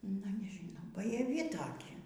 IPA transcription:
nʊ nʲɛʒʲɪˈnɐʊ bɐjɛˈʋʲɪ ˈtoːkʲɪ

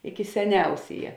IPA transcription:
ɪkʲɪ sʲɛˈnʲɛʊsʲeːjɛ

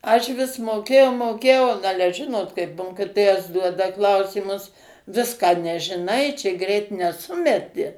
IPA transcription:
ɐʃ ʋʲɪs moːˈkʲeːjɛʊ moːˈkʲeːjɛʊ n ˈɑːlʲɛ ˈʒʲɪnoːt kɐɪp ˈmoːkʲɪtoːjɛs ˈduɔdɐ ˈklˠɐʊsʲiːmʊs ˈʋʲɪskɑː nʲɛʒʲɪˈnɐɪ ˈt͡ʃʲɛ ˈɡrʲɛɪt nʲɛˈsʊmʲɛtʲɪ

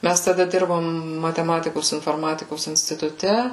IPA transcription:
ˈmʲæs tɐˈdɐ ˈdʲɪrboːm mɐtʲɛˈmɑːtʲɪkoːs ɪnfoːrˈmɑːtʲɪkoːs ɪnʲsʲtʲɪtʊˈtʲɛ

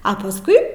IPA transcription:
ɐ pɐsˈkʊɪ

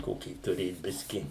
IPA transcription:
ˈkoːkʲiː tʊˈrʲeːt ˈbʲɪsʲkʲɪ

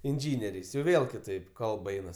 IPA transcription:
ɪnʲˈʒʲiːnʲɛrʲɛɪs jɛʊ ˈʋʲeːlˠ kʲɪˈtɐɪp ˈkɐlˠp ˈɛɪnɐs

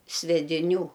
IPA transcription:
sʲʋʲɛdʲɪˈnʲuː

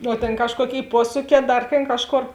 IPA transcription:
oː ˈtʲeːn ˈkɑːʃkuɔˌkʲeːɪ ˈpuɔsuːˌkʲɛː ˈdɐr tʲeːn ˈkɑːʃˌkoːr

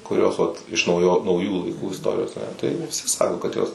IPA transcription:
kʊˈrʲoːs ˈʋɐt ɪʃ nɐʊˈjoː nɐʊˈjuː lˠɐɪˈkuː ɪsˈtoːrʲɪjoːs tɐɪ ʋʲɪˈsʲɪ ˈsɑːkoː kɐt ˈjoːs

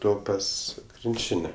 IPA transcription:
ˈtoː ˈpɐs krʲɪnʲˈt͡ʃʲɪnʲɛ

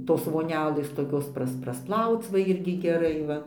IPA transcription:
ˈtoːs ʋoːˈnʲæːlʲeːs toːˈkʲoːs ˈprɐs prɐsˈplˠɐʊt͡s ʋɐ ˈɪrʲɡʲɪ ɡʲɛˈrɐɪ ˈʋɐ

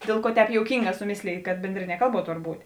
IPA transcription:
ˈdʲeːlˠ ˌkuɔ ˈtʲɛːp joːʊˈkʲiːŋˌɡɑː sʊˈmʲeːsʲlʲeːj kɐt ˈbʲɛnʲdʲrʲɪnʲiɛ ˈkɐlˠˌbuɔ ˈtoːr ˈbuːtʲ

